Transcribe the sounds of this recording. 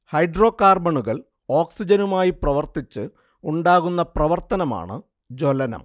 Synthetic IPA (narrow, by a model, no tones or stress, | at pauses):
hɐjɖro̞ːkaːrbɐɳuɣɐɭ | o̞ːksid͡ʑɐnumaːjiprɐʋɐrt̪it͡ɕːɨ | uɳɖaːɣunːɐprɐʋɐrt̪ɐnɐma̰ːɳɨ̰ | d͡ʑolɐnɐ̰m